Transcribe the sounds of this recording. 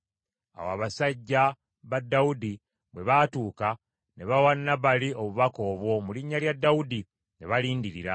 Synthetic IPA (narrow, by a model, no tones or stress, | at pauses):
a̰wa̰ːβasaɟːa | βadːawudi | βwe̞βatuːka | ne̞βawanːaβalio̞βuβako̞ːβwo̞muliɲːaljadːawudi | ne̞βaliːndiɾiɾa